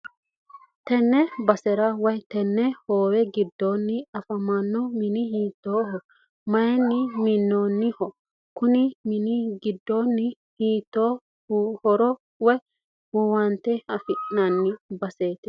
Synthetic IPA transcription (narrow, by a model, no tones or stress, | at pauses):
t̪ɛnːɛbɐsɛɾɐwɐjt̪ɛnːɛhoːwɛɡɪd̪ːoːnːɪɐfɐmɐnːɔmɪnɪɦiːt̪ːoːɦɔ | mɐjɛnːɪmɪnːoːnːɪhɔ | kʊnɪmɪnɪɡɪd̪ːoːnːɪ | hiːt̪ːoː | hɔɾɔ | wɐj | hɔwɐnt̪ɛhɐfɪʔnɐnːɪbɐseːt̪ɪ